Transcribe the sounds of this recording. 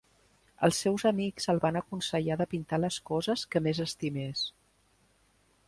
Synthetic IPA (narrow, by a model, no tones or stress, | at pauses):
ə̰lˠsːɛwzəmikzəlˠβanəkunsəʎaðəpint̪aləskɔzəskəmezəst̪imes